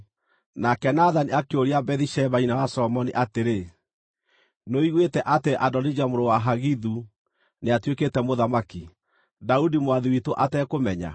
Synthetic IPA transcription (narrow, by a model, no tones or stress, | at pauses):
nakɛnaðaniakeoɾiabɛðiʃɛβainawasɔlɔmɔniʔateɾe | noiɣwetɛʔateʔadɔnid͡ʒamoɾowaɦaɣiðu | neatweketɛmoðamaki | daudimowaðiwitoʔatɛkomɛɲa̰